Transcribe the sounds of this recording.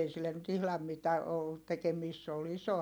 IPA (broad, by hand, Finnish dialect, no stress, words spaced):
ei silːen nyt ihlɑm mitæ olːut tekemiːst se ol iso